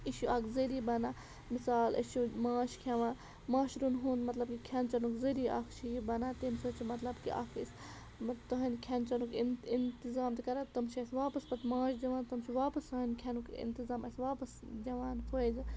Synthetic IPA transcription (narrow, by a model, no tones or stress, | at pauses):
iʃuʔaːkʰzeɾiːbɐnaː | misaːlʔɐ̰ʃumaːʃkʰɐʋãː | maːʃɾunɦuːnmɐt̪lɐb̚kikʰɐnt͡ʃɐnukzeɾiːa̰kt͡ʃʰiibɐnat̪emsoːt͡ʃʰimɐt̪lɐbkḭʔa̰ːkʰis | t̪ɐɦɐnkʰɐnt͡ʃɐnukinint̪izaːmt̪ikɐɾat̪ɐmʃʰiɐsʋaːpɐsbɐt̪mãːʃd̪ɐʋãːnt̪ɐmt͡ʃʰiʋaːpɐsɐɐnkʰʲɐnukḭnt̪izaːmɐsʲʋaːpɐsd̪ɐʋaːnpʰoz